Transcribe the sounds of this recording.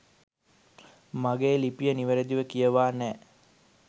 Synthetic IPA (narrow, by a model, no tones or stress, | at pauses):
maɡeːlipijəniʋəɾed̪iʋəkijəʋaːnɛː